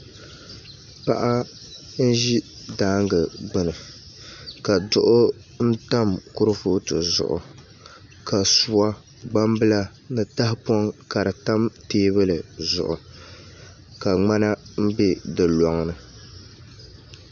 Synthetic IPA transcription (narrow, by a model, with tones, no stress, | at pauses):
pa˨ʔa˦ | n̩˦ʒi˦ | daː˨˦ŋɡɨ˨ɡ͡bɨ˨nɨ˨ | ka˨dʊ˨ʔʊ˦ | n̩˦ta˦mkʊ˦ɾɨ˦fo˦tɨ˨zʊ̰˨ʔʊ̰˨ | ka˨su˨wa˦ | ɡ͡ba˦mbɨ˦la˦ | nɨ˨ta˦hɪ˦pɔ˦ŋka˨ɾɨ˨ta˦mteː˦bɨ˦lɨ˨zʊ̰˨ʔʊ˨ | ka˨ŋ͡ma˦na˦m̩˦bɛ˦dɨ˨lɔ˨ŋnɨ˨